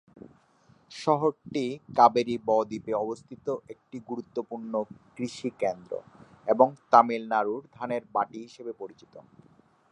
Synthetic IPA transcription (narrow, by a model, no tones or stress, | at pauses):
ʃɔɦoɾʈikabeɾibɔd̪ipeɔbost̪ʰit̪oʔek̚ʈiɡuɾut̪ːopuɾnokɾiʃikend̪ɾo̰ | eboŋt̪amilnaɾuɾd̪ʱaneɾbaʈiɦiʃebepoɾit͡ɕit̪o